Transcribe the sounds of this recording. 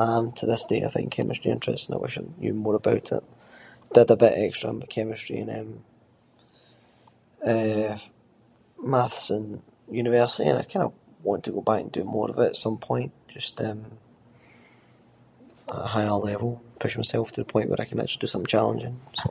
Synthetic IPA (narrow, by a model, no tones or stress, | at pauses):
ə̃ntʰəðɪsd̥ea̰ɪθɪ̰̃ŋkʰɛ̰mʔɪstɹ̥iɪ̰̃nt͡ʃɹ̥ɛ̰stənaɪwʔɪ̰ʃə̰jə̰mɔɹəbaʊʔʰɪ̰ʔd̥əd̪əbɪʔɛkstɹ̥ə̃mbəʔkʰɛmɪstɹ̥ḭə̃nə̃m | ɛ | maθsə̃njʉnɪvɜ˞sɪḭə̰̃naɪkʰãɪ̃ndə | wɔ̃ntʰəɡobakə̃ndəmɔɹə̰vɪʔətsʌ̃mpʰɔ̃ɪ̃nʔd̥ʒ̥ʌstə̃m | əʔəɦaɪəlˠɛvəlˠpʰʊʃmaɪsɛlˠftʰəðəpʰɔ̃ɪ̃nʔwə̰ɹʔaɪkəna̰k̚t͡ʃəl̩ˠid̥əsʌ̃mθt͡ʃʰalˠə̰̃nd͡ʒɪ̃ns